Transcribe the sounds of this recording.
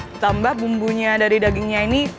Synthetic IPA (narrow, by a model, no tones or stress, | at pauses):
t̪ambahbumbuɲadaɾidaɡɪŋɲaini